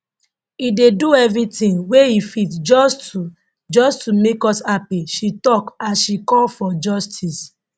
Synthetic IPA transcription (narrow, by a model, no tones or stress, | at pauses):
ideduɛvɹitĩnweifitd͡ʒɔstu | d͡ʒɔstumekɔshapiʃitɔkasʃikɔlfɔd͡ʒɔstʰis